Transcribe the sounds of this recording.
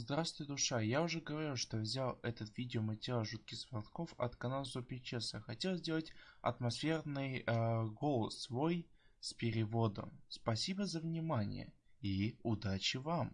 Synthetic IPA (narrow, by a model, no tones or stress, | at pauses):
zd̪ɾafsʊjd̪ʊʂajaʊʐɛɡəvɐɾʲilˠʂt̪o̞vzʲalˠɛt̪ət̪vʲidʲɪomətʲɪɾʲalˠʐut̪̚kʲɪxsvɐrt̪ko̞fɐ̰t̪kɐnalˠzopʲɪt͡ɕesəxɐtʲe̞lˠzʲdʲe̞lˠətʲɐ̰t̪mɐsfʲe̞rnɨjɡo̞lˠəsvo̞j | spʲɪɾʲɪvo̞d̪ə̰mspɐsʲibəzəvnʲɪmanʲɪ̰jə̰iʊd̪at͡ɕɪvam